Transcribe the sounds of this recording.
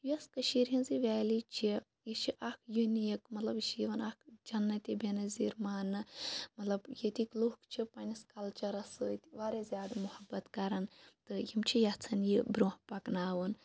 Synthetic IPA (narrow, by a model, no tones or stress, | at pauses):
joskɐʃiːɾɦinziʋʲɛːlit͡ʃʰi | it͡ʃʰiʔɐkʰjunijɐkmɐt̪lɐbiʃiiʋɐnɐkʰd͡ʒɐnːɐt̪ʲibenɐziːɾmaːnɨmɐt̪lɐbjet̪ikluhkt͡ʃʰipɐnʲiskɐlt͡ʃɐɾɐsɨt̪iʋaːɾezʲjaːd̪muhɐbːɐt̪kɐɾɐnt̪ɨjimt͡ʃʰijɐt͡sʰɐnjibɾoːhpɐknaːʋun